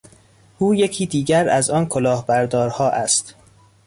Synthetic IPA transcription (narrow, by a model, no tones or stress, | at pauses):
ʔuːje̞cʰiːd̪iːɟæɾæzɒːnkʰolɒːhbæɾd̪ɒːɾhɒːʔæst̪